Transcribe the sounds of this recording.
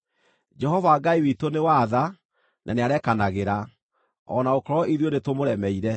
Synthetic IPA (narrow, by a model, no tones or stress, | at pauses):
d͡ʒɛɦɔvaɡaiwitonewaða | nʔa̰neaɾɛkanaɣeɾa | ɔ̰naokɔɾɔʔiðijonetomoɾɛmɛiɾɛ